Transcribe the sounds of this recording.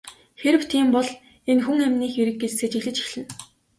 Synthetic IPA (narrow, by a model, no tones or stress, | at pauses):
xeɾɘ̆w̥t̪ʰiːmpɔɮ | enxuŋæmʲniːxeɾɘ̆k̚ːet͡sseːt͡ɕiɮɘ̆t͡ɕi̥xɮɘ̆n